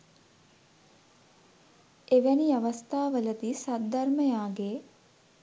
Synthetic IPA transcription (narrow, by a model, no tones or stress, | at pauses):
eʋæniaʋɐst̪aːʋələt̪isat̪̚d̪arməjaːɡeː